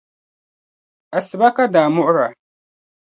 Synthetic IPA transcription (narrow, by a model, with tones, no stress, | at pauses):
ʔa˨sɪ˨ba˦ka˦daː˨mʊ˦ʔʊ˦ɾa˨